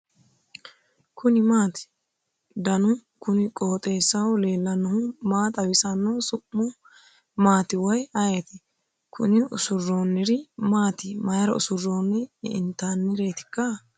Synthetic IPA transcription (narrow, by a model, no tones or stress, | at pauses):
kʰʊnɪmaːt̪ɪ̥ | d̪ɐnʊ | kʊnɪkʼoːt̪ʼe̞ːsːɐwle̞ːlːɐnːʊhʊmaːt̪ɐwɪsɐnːosʊʔːʊ | maːt̪ɪwɐjɐjet̪ɛ | kʊ̰nɪʊ̰sʊrːo̞ːnːɛɾɪmaːt̪ɪmɐjɐɾɐ̰ʊ̰sʊrːo̞ːnːɛɪ̰nt̪ːaːnːɪɾeːt̪ɪ̥kːɐ